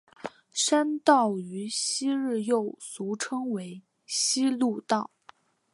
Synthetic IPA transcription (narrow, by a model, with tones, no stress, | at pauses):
ʂa˥nt̪ɑ˥˩ʊy˧˥ɕi˥ɻ̩˥˧jo˥˩ʊsu˧˥ʈ͡ʂʰɤ˥ŋwe˧˥ɪ | ɕi˥lu˥˧t̪ɑ˥˩ʊ